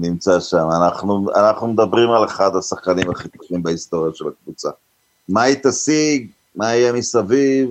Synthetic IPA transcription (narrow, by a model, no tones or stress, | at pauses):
nimt͡saʃamanaχnua̰naχnumed̪abʁimaleχad̪asaχkanimaχit̪uχimbaist̪o̞ʁjaʃelakvut͡sa̰ | mait̪asiɡ | maijemisaviv